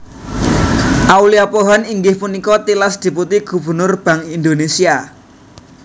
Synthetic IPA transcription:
ʔauliapoɦɔniŋɡɪhpunikɔt̪ilasd̪̥i̤put̪iɡ̥ṳb̥ə̤rnʊrb̥ä̤ŋind̪onesia

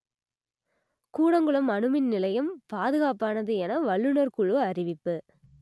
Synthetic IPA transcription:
kuːɽɐŋɡɯɭɐmɐɳɯmɪnnɪlɐjɐmpaːðɯɣaːpaːnɐðɯɛnɐʋɐɭːɯnɐɾkʊɻɯɐɾɪʋɪpːɯ

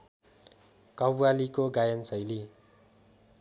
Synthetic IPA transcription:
kʌbwalikoɡajʌnsʌjli

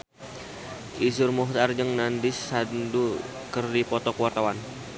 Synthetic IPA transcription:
ʔisʊrmuɦt̪ard͡ʒəŋnandɪsːandu | kərdipɔt̪ɔkuwart̪awan

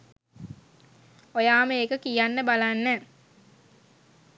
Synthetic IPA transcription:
ojaːməeːkəkijanːəbalanːɛː

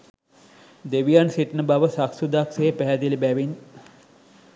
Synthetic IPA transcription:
d̪eʋijansiʈnəbaʋəsaksud̪akseepæɦæd̪ilibæʋin

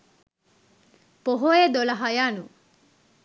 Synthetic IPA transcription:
poɦojed̪olɐɦajaːnu

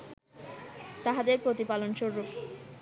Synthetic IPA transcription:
t̪aɦad̪eɾpɾot̪ipalonʃoɾːop

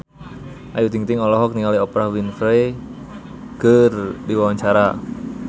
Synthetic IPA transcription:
ʔajud̪iŋt̪ɪŋɔlɔɦɔk̚niŋaliɔpɾahwinfɾe | kərdiwawaɲt͡ʃaɾa

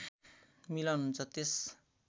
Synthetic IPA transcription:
milʌnunt͡sʰʌt̪es

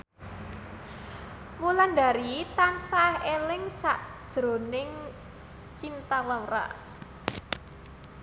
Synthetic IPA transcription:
mulanɖaɾit̪ansahelɪŋsaʔd̥ʒ̥ɾo̤nɪŋ | t͡ʃint̪alaɾa̰ʔ

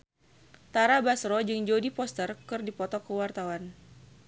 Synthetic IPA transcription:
t̪aɾabasɾɔd͡ʒɨŋd͡ʒodipɔst̪ərkɨrdipɔt̪ɔkəwart̪awan

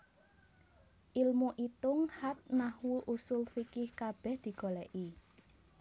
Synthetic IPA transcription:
ʔilmuʔit̪ʊŋhat̪̚nahwuʔusʊlfikɪhkab̥ɛ̤hd̪̥i̤ɡ̥o̤lɛʔi

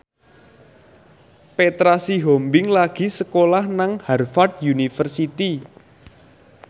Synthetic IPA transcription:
pet̪ɾasiɦombɪŋlaɡ̥i̤səkolahnaŋharfard̪̚junifərsit̪i

